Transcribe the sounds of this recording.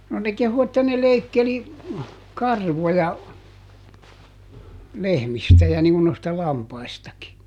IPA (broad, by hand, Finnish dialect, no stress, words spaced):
no ne kehu etːæ ne leikːeli kɑrʋojɑ lehmistæ jɑ niŋ ŋun noistɑ lɑmpɑistɑki